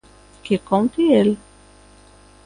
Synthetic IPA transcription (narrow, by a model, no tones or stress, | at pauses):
kekont̪iel